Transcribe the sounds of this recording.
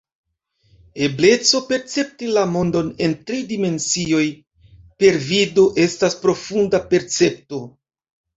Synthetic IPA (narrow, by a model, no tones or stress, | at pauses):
e̞ble̞t͡so̞pe̞ɾt͡se̞p̚tilamo̞ndo̞ne̞ntɾidime̞nsio̞j | pe̞ɾvido̞ʔe̞staspɾo̞fundape̞ɾt͡se̞p̚to̞